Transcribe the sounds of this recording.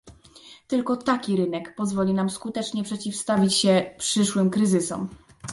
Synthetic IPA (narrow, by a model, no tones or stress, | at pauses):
t̪ɘlkɔt̪akʲiɾɘnɛkpɔzvɔlʲinamskut̪ɛt͡ʂɲɛpʂɛt͡ɕifst̪avʲit͡ɕɕɛpʂɘʂwɘmkɾɘzɘsɔ̰m